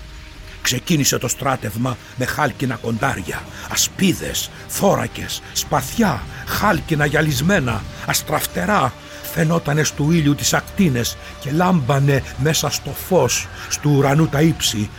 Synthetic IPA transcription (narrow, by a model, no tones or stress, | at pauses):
kse̞cinise̞t̪o̞st̪ɾɐt̪e̞vmɐ | me̞xɐlcinɐko̞nd̪ɐ̰ɾʝɐ̰ | ɐspiðe̞̰s | θo̞ɾɐ̰ce̞sːpɐθçɐxɐlcinɐʝɐlizme̞nɐɐst̪ɾɐft̪e̞ɾɐ | fe̞no̞t̪ɐne̞st̪uiʎut̪i̥sɐkt̪ine̞s | ce̞lɐmbɐneme̞sɐst̪o̞fo̞sːt̪uːɾɐnut̪ɐipsi